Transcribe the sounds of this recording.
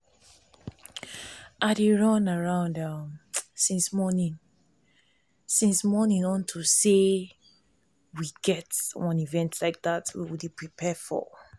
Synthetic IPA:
ʔaɾeɹʌ̃naɹãʊ̃ndʌmsĩnsmɔnĩn | sĩnsmɔnĩnɔ̃ntʰuse | wiɡɛtwʌ̃nivɛ̃ntʰlaɪk̚ðatwḭwiipʰɹipʰɛfɔ̰

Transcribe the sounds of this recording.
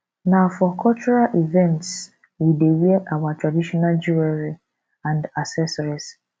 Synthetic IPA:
nafɔkʰɔt͡ʃɔɹalivɛ̃nts | widewiɛʔawatʰɹadiʃɔnald͡ʒuɛɹi | ãndasɛsɔɹis

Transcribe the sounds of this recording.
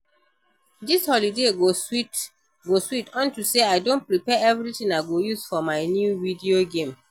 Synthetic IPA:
dishɔlideɡosit | ɡoswitɔ̃ntuseaɪdõn̚pɹipɛɛvɹitĩŋaɪɡojuz̥fɔmaɪnjuvidioɡẽm

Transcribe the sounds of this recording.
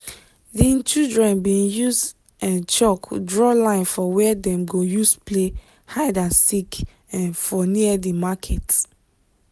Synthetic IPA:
dĩt͡ʃildɹɛ̃nbĩnjus | ɛ̃nt͡ʃɔkdɹɔlãɪ̃nfɔwɛɛdɛ̃mɡojusple | haɪdãnsik | ɛ̃nfɔniədimakʰɛt

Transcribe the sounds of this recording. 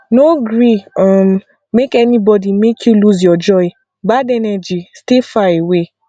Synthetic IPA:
noɡɾiam | mekɛnĩbɔdimekʰjuluzjɔd͡ʒɔi | badɛnɛd͡ʒistefaewe

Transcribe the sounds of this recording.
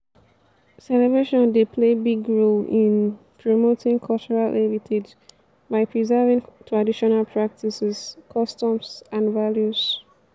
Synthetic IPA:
sɛlɛbɹeʃɔ̃ndepʰlebiɡɹolɪ̃n | pʰɹomotɪ̃ŋkʰɔlt͡ʃɔɹalʔɛvitʰed͡ʒ | baɪpʰɹizɛvĩŋtʰɹadiʃɔnalpʰɹak̚tisɛz̥kʰɔstɔ̃msãnvaljuz̥

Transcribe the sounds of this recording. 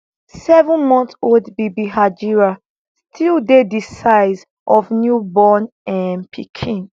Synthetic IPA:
sɛvə̃nmɔ̃ntoldbibiɦad͡ʒiɹa | stʰildedisaɪz | ʔɔfnjubɔ̃n | ɛ̃npʰikʰĩn

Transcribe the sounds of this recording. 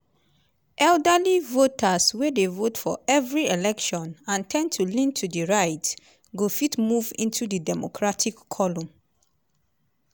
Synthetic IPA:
ʔɛldəlivotʰaswedevotfɔɛvɹielɛkʃɔ̃nãntʰɛ̃ntʰulĩntʰudiɹaɪt | ɡofitmuvḭ̃ntʰudɨdɛmo̰kʰɹatʰikʰːɔlɔ̃m

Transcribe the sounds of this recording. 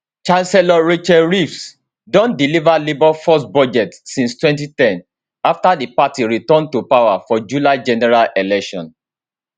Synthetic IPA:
t͡ʃãnsɛlɔɹit͡ʃɛɹifs | dɔ̃ndilivalibafɔsbɔd͡ʒɛtsĩnstwɛ̃ntitɛ̃n | aftadəpatiɹitɔ̃ntupawafɔd͡ʒulaɪd͡ʒɛnɛɹalelɛkʃɔ̰̃n

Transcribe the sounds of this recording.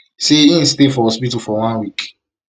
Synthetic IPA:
seĩn̩s̬tefɔhɔspitufɔwãnwik

